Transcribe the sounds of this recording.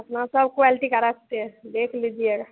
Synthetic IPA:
ɐpnasəbkoalʈikɐɾak̚t̪eɛ̃d̪eːkʰlid͡ʒieɡa

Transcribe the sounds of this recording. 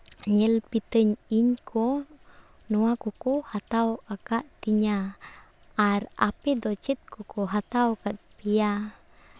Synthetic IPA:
ɲɛlpit̪əɲiɲkʰɔ | nuakukuhat̪awakaʔt̪iɲa | ʔːɾa̰pid̪ɔt͡ʃit̪̚kukɔɦat̪awkat̪̚pija

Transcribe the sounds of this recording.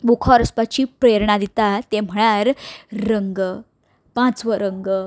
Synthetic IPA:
bukʰɔɾəspat͡ɕipɾeɾɳad̪it̪at̪em̤əɭ̃aɾːəŋɡ | pãt͡sʋəɾəŋɡ

